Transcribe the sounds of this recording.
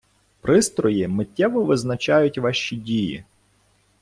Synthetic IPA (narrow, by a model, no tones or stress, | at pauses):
pɾɪst̪ɾɔjimɪtʲːɛʋɔʋɪznɐt͡ʃɑjʊtʲʋɑʃt͡ʃidʲijḭ